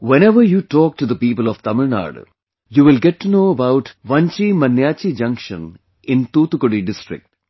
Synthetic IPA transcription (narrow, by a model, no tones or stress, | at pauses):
weneʋɐjuːtɔːk̚ʈud̪ɐpiːpəlɔft̪ɐmɪɭna̰ːɽ̰ | juːʋɪlɡetːunoːɐbawʈʋɐ̃ɲt͡ɕimɐnjaːt͡ɕid͡ʑɐ̃ŋkʂɐ̰̃n | ɪ̃nt̪uːt̪ːukoɽiɖɪsʈrɪ̰k̚ʈ